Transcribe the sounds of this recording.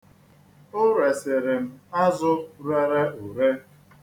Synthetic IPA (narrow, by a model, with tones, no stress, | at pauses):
ʊ˦ɾe˨sɪ˨ɾɪ˨m̩˦˨a˦zʊ˦ɾe˦ɾe˦u˨ɾe˦